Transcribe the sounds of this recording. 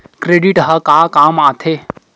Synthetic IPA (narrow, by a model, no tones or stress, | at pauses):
kɾeɖiʈɦɐkakaːmaːt̪ʰe